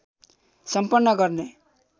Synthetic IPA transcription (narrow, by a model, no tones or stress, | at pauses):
sʌmpʌnːʌɡʌɾne